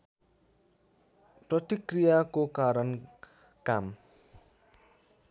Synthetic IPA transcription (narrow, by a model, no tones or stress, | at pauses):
prʌt̪ikrijakokaɾʌn | kam